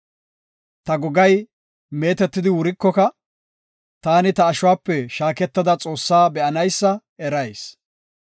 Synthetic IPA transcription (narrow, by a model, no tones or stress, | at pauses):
t̪ɐɡɔɡɐj | me̞ːt̪ɛt̪ːɪd̪ɪwʊɾɪkːɔkɐ | t̪aːnɪt̪ɐːʃʊwaːpːɛʃaːkɛt̪ːɐd̪ɐt͡sʼo̞ːsːaːbɛʔɐnɐjsːɐ | ɛɾɐjs